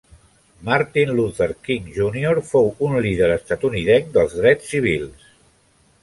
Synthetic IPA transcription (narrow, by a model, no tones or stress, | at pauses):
maɾt̪inluθəɾkiŋʒunioɾfowunlið̞əɾəst̪at̪uniðɛŋd̪əlˠzðɾɛt͡ssːiβ̞ilˠs